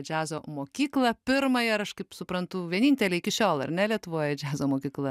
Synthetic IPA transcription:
d͡ʒʲæːzoːmoːkʲiːklˠɐpʲɪɾmɐjɛɾɐʃkɐɪpsʊpɾɐnt̪ʊʋʲiɛnʲinʲt̪ʲɛlʲɛɪɪkʲɪʃʲoːlˠɐ̰ɾʲnʲɛlʲiɛt̪ʊʋoːjɛd͡ʒʲæːzoːmoːkʲiːklˠɐ

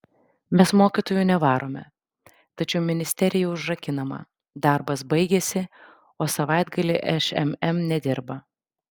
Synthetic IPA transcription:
mʲɛsmoːkʲit̪oːjunʲɛʋɑːɾoːmʲɛ | t̪ɐt͡ʃʲɛʊmʲɪnʲɪsʲt̪ʲɛɾʲɪjɛʊʒɾɐkʲɪnɐmɐ̰ | d̪ɑˑɾbɐsbɐɪɡʲeːsʲɪ | oːsɐʋɑˑɪd̪ɡɐlʲeʔɛʃɛ̰mɛmnʲɛd̪ʲɪɾbɐ

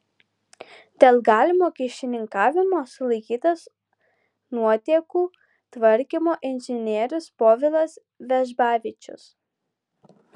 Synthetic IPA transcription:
d̪̥ʲeːlˠɡɑːlʲɪmoːkʲɪʃʲɪnʲɪŋkɑːʋʲɪmoːsʊlˠɐɪkʲiːt̪ɐs | nuɔt̪ʲiɛkuː | t̪ʋɐɾʲkʲɪmoːʔɪnʲʒʲɪnʲiɛɾʲʊspoːʋʲɪlˠɐs | ʋʲɛʒbɑːʋʲɪt͡ʃʲʊ̰s

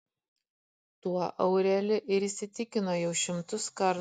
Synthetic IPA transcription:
t̪uɔʔɐʊɾʲɛlʲɪʔɪɾiːsʲɪt̪ʲɪkʲɪnoːjɛʊʃʲɪmt̪ʊskɐɾ

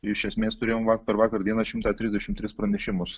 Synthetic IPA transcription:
ɪʃʲɛsʲmʲeːst̪ʊɾʲeːjoːmʋɑkpʲɛɾʋɑːkɐɾd̪iɛnɑʃʲɪmt̪ɑːt̪ʲɾʲɪzʲd̪ʲɛʃʲɪmt̪ʲɾʲɪspɾɐnʲɛʃʲɪmʊs

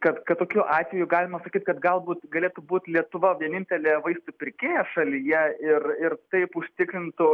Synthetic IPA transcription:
kɐt̪kɐt̪t̪ːoːkʲuːʔɑːt̪ʲʋʲejʊɡɑːlʲɪmɐsɐkʲiːt̪kɐt̪ɡɐlˠbuːt̪ɡɐlʲeːt̪ʊbuːt̪ʲlʲiɛt̪ʊʋɐʋʲiɛnʲɪnʲt̪ʲɛlʲeːʋɐɪst̪upʲɪɾʲkʲeːjɛʃɐlʲijɛɪrɪrt̪ɐɪpʊʃʲt̪ʲɪkɾʲɪnt̪ʊ

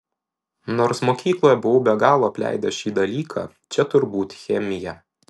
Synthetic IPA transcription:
noːɾsmoːkʲiːklˠoːjɛbʊʋʊbʲɛɡɑːlˠoːɐpʲlʲæ̰ˑɪd̪ʲɛʃʲiːd̪ɐlʲiːkʰɑ̰ː | t͡ʃʲɛt̪ʊɾbuːt̪ʲxʲɛmʲɪjɛ

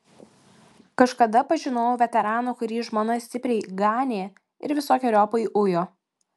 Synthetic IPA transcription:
kɐʃkɐd̪ɐpɐʒʲɪnoːjoʋʲɛt̪ʲɛɾɑːnuːkʊɾʲiːʒmoːnɐsʲt̪ʲɪpʲɾʲɛɪɡɑːnʲeː | ɪ̰ɾʋʲɪsoːkʲɛɾʲoːpɐiʔʊjoː

